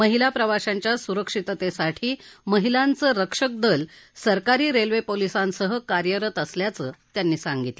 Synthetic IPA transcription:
məɦilapɾəʋaɕaɲt͡ɕjasuɾəkʂit̪t̪esaʈʰiːməɦilant͡səːɾəkʂək̚d̪əlsəɾkaɾiːɾelʋepolisãnsəɦəkaɾjəɾət̪əsljat͡sət̪janːiːsaŋɡit̪le

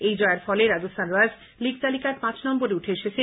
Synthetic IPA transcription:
ejd͡ʑɔeaɾfɔleɾad͡ʑosanɾad͡ʑ | liɡ̚t̪alikaɾpãt͡ɕnɔmboɾeuʈʰeeʃet͡ɕʰe

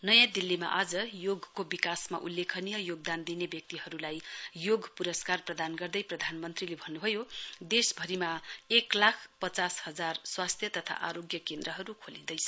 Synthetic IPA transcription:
nʌjãd̪ilːima̰ʔad͡zʌjoɡʱkobikasma̰ʔulːekʰʌnijʌjoɡ̚d̪and̪inebjʌk̚t̪iɦʌɾulajjoɡpuɾʌskarprʌd̪anɡʌrd̪ʌjprʌd̪ʱanmʌnt̪rilebʱʌnːubʱʌjod̪esbʱʌɾimaeklakʰpʌt͡sashʌd͡zarswast̪ʰjʌt̪ʌt̪ʰa̰ʔaɾoɡjʌkend̪rʌɦʌɾukʰolĩd̪ʌjsʰ

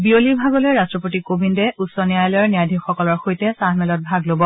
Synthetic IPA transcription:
bioliɹbʱaɡɔlojɹastɹɔpotikobʱindɛutsɔnijajlɔjɔɹnijadʱixɔkɔlɔɹxojtɛsaɦmɛlɔt̚bʱaɡlobɔ

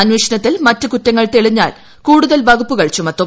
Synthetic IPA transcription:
ɐnweːʂɐnɐt̪ːilmɐtːɨkutːɐŋːɐɭt̪eɭiɲːaːl | kuːɽuðɐlʋɐɡupːuɣɐɭt͡ɕumɐt̪ːu

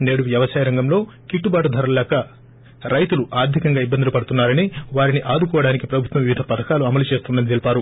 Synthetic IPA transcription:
ne̞ːɽujɐʋɐsaːjɐɾɐŋɡɐmlo̞ːkiʈːubaːʈud̪ʱɐɾɐllɛːkɐ | ɾɐjt̪uluʔaːɾd̪ʱikɐŋɡaːibːɐnd̪ulupɐɽut̪unːaːɾɐniʋaːɾiniʔaːd̪ukɔːʋɐɽaːnikipɾɐbʱut̪ʋɐmʋiʋid̪ʱɐpɐd̪ɐkaːluɐmɐlut͡ʃe̞ːst̪und̪ɐnit̪elipaːɾu

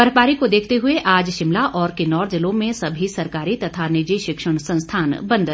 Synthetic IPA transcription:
bɐɾpaːɾikod̪eːkʰt̪eɦʊeʔaːd͡ʒʃɪmlaʔɔːɾkenɔːɾd͡ʒɪlõmẽsɐbʱisɐɾkaːɾit̪ɐt̪ʰanɪd͡ʒiʃɪkʃəɽ̃sɐ̃nst̪ʰaːnbɐ̃nd̪ʱ

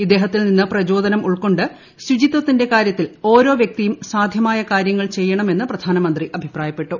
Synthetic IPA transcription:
id̪ːeːɦɐt̪ːilninːɨprɐd͡ʑo̞ːd̪ɐnɐmuɭko̞ɳɖɨ | ɕud͡ʑit̪ːwɐt̪ːinde̞kaːɾjɐt̪ːilo̞ːɾo̞ːʋjɐk̚t̪ijumsaːd̪ʱjɐmaːjɐkaːɾjɐŋːɐɭt͡ɕe̞jːɐɳɐme̞nːɨprɐd̪ʱaːnɐmɐnd̪riʔɐbʱipraːjɐpːe̞ʈːu

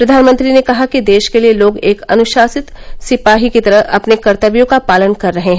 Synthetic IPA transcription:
pɾɐd̪ʱaːnmə̃nt̪ɾinekɐɦakid̪eːʃkelieloːɡeːkɐ̰nʊʃaːsɪt̪sɪpaːɦikit̪ɐɾəɦɐpnekɐɾt̪əʋjõkapaːlənkɐɾːɐɦẽɦɛ̃

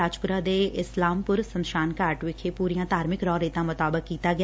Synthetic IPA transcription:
aːd͡ʒpʊɾaːd̪eːɪslaːmpʊɾsənʃaːnkaːɾʈʋɪkʰeːpuːɾijãːd̪aːɾmɪkɾɔːɾeːt̪ãːmʊt̪aːbəkkːiːt̪aːɡɪ

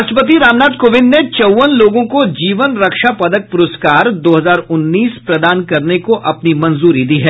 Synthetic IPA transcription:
ʃʈ̪əpət̪̬iɾaːmnaːd̪koːʋɪ̃nd̪net͡ʃɐwʋənloːɡõkod͡ʒiːʋənɾɐkʃapɐd̪ək̚pʊɾʊskaːɾd̪oːɦɐzaːɾʊnːiːspɾɐd̪aːnkɐɾnekoʔɐpnimɐ̃nzuːɾid̪iɦɛː

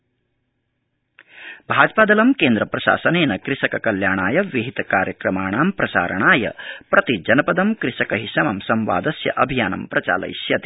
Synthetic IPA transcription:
bʱaːd͡ʒpaːd̪ɐlɐmkeːnd̪ɾɐpɾɐʃa̰ːsɐneːnɐkɾiʃɐkɐkɐljaːɳaːjɐʋiɦit̪ɐkaːɾjɐkɾɐmaːɳaːmpɾɐsa̰ːɾɐ̰ɳaːjɐ̰pɾɐt̪id͡ʒɐnɐpɐd̪ɐmkɾiʃɐkɐɦiʃɐmɐmsɐmʋa̰ːd̪ɐsjɐ̰ʔɐbʱijaːnɐ̰mpɾɐt͡ʃa̰ːlɐ̰jsjɐt̪i

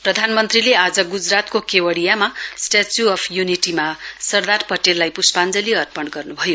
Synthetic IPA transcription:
prʌd̪ʱanmʌnt̪rilead͡zʌɡud͡zrat̪kokewʌɽijamasʈat͡sjuʌpʰjuniʈimasʌrd̪arpʌʈelːajpuspand͡zʌliʌrpʌɳɡʌrnubʱʌjo

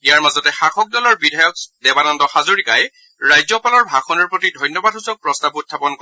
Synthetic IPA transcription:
ijaɹmazɔtɛxaxɔk̚dɔlɔɹbidʱajɔkdɛbanɔndɔxazoɹikaj | ɹajzɔpalɔɹbʱaxʰɔnɔɹpɹɔtidʱɔjnːɔbadɦusɔk̚pɹɔstabutʰːapɔnk

